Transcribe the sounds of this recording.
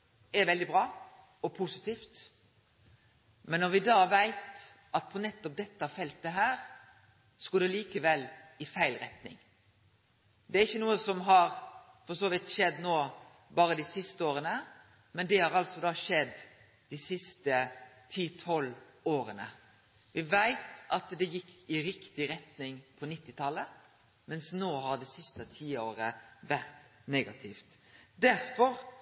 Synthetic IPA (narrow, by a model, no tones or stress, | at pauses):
ɛɾʋɛld̪ɪbɾɑː | ɔpʰʊsɪt̪iːft̪ | mɛnːɔɾʋɪd̪ɑːʋæɪt̪ | ɑt̪̚pʰɔnɛt̪ːɔp̚d̪ɛt̪ːəfɛlt̪əɦæːɾ | sɔkɔd̪ɛliːkəʋɛlːɪfæɪlɾɛt̪nɪ̰ŋ | d̪ɛæɾɪçːənuːəsɔmɦɑɾ | fɔsoːʋɪt̪ʃɛd̪ːnoː | bɑːɾəd̪ɪsɪst̪əoːɾənə | mɛnd̪ɛhɑɾɑlsɔd̪ɑːʃɛd̪ː | d̪̥ɪsɪst̪ət̪ʰiːt̪ʰɔloːɾənə | ʋɪʋæɪt̪ɑt̪d̪ɛjɪkʰːɪɾɪkt̪ɪɾɛt̪nɪŋpʰɔnɪt̪ːɪt̪ʰɑlːə | mɛnsnoːhɑɾd̪ɛsɪst̪ət̪ʰiːoːɾəʋæɾt̪neːɡɑt̪ʰɪft̪d̪æɾfɔɾ